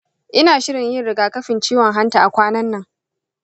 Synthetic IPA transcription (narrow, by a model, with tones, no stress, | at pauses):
ʔɪ˦naː˨ʃɪ˦ɽɪ˨ɲjɪ˦nɽɪ˨ɡaː˨kɐ˦ɸɪ˨nt͡ʃiː˦wɔ˨ŋɦa˦ntaː˨ʔa˨kʷaː˦nɐ˦nːɐ˨ŋ